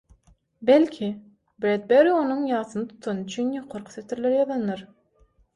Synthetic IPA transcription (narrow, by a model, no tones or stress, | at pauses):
belʲkʲʰi | bɾed̪̚beɾo̞nuŋjɑːθɯnɯt̪ʰu̥t̪ʰɑnɯyt͡ʃʰynjoqʰoɾqʰu̥seft̪ʰiɾlʲeɾijɑðɑnːɑɾ